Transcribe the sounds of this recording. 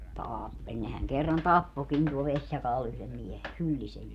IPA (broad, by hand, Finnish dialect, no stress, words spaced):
tɑːpːelʲ nehæŋ kerːɑn tɑpːokin tuol ʋesʲjɑkɑːl yhlem miehe hylːisej